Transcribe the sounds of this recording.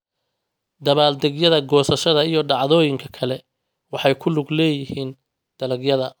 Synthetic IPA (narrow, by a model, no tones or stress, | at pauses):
d̪ɐβaːld̪ɛɡjɐðɐɡɔːsɐʃɐðɐijɔɖɑʕðɔːjɪŋkʰɐkʰɐlɛ | wɑħɑjkʰʊlʊɡlɛːjɪhiːn | d̪̥ɐlɐɡjɐðɐ